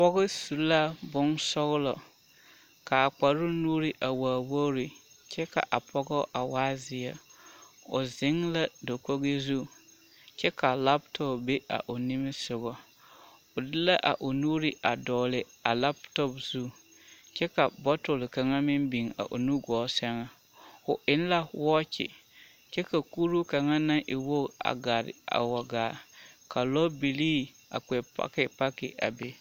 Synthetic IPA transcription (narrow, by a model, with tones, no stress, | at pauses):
pɔ˦ɣɪ˦su˨˦la˦bʊ˦nsɔ˦ɣlɔ̰˨ | ka˨a˨k͡pa˨ɾʊ˦nuː˦ɾɪ˦ʔa˨waː˨wo˦ɾɪ˨ | t͡ʃɛ˦ka̰˨ʔa˨pʰɔ˦ɡɔ˦ʔa˨waː˦zɪ˨a˨ | ʊ̰˨zɪ˦ŋla˦do˨ko˦ɣe˦zu˦ | t͡ʃɛ˦ka˨la˦ptʰɔ˦˨bbe˦ʔa̰˨ʔo˨nɪ˦mɪ˦sʊ˨ɣɔ˨ | ʊ˨dɪ˦la˦ʔa̰˨ʔo˨nuː˦ɾɪ˦ʔa˨dɔː˨lɪ˨ | a˨la˦btɔ˦pz̥u˦ | t͡ʃɛ˦ka˨bɔ˦tʊ˨lka˨ŋa˦mɪ˦nbi˨ŋa̰˨ʔo̰˨nu˦ɡɔː˨˦sɛ˦ŋa˦ | ʊ˨ʔɪ˦n˦la˦wɔ˦t͡ʃɪ̰˨ | t͡ʃɛ˦ka˨ku˦ɾu˦ka˨ŋa˦na˦ŋʔɪ˨wo˦a̰˨ɡa˨ɾɪ̰˨a̰˨wa˨ɡaː˨kʰa˨lɔ˦bi˨liː˦ | a̰˨k͡pɛ˨pa̰˦kɪ˨pa˦kɪ˨ʔa̰˨be˦